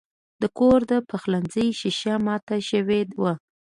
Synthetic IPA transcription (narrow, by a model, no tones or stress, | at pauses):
d̪̥əkoɾd̪əpʰaxlanzəjʃɪʃamɑt̪aʃəwed̪wa